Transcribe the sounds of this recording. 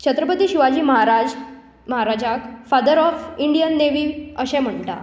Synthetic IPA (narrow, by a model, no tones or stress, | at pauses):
t͡ɕʰət̪ɾəpət̪iːɕiʋad͡ʑiːməɦaɾad͡ʑ | məɦaɾad͡ʑakfad̪əɾɔfiɳɖijənːeʋiːəɕẽm̤əɳʈ̪a̰